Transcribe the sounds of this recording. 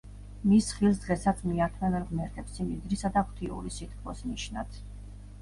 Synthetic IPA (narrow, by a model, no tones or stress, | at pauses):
misχilˠs̬d̪ʁɛsat̪sʰmiat̪ʰmɛvɛnʁmɛɾt̪ʰɛpsimid̪ɾisad̪aχʰt̪ʰiṵɾisit̪kʰlɔ̰sniʃna̰d̪̥